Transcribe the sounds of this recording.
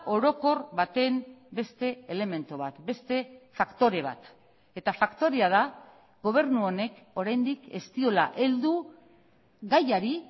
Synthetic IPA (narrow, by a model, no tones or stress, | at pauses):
o̞ɾo̞ko̞rβat̪e̞mbe̞st̪e̞ele̞me̞nt̪oβ̞at̪be̞st̪e̞fakt̪o̞ɾe̞β̞a̰t̪ | e̞t̪afakt̪o̞ɾeað̞a | ɡo̞β̞e̞ɾnuo̞ne̞k | o̞ɾajnd̪ike̞st̪io̞la̰ʔe̞ld̪u | ɣajaɾi